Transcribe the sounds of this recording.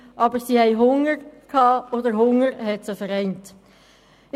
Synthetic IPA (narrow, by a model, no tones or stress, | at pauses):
ʔɑbəɾsiːhɛɪɦʊŋəɾkʰhɑːoːdəɾɦʊŋəɾhɛtsəfəɾɛɪnt